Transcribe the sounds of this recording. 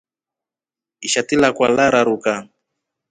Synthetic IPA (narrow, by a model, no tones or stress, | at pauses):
iʃatilakwalaɾaɾuka